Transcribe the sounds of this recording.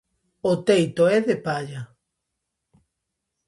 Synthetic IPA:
ot̪ejt̪oɛðepaʎa

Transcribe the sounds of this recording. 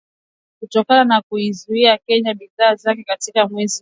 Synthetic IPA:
kutɔkananakuizuiakɛɲaɓiðaːzakɛkatikamwɛzi

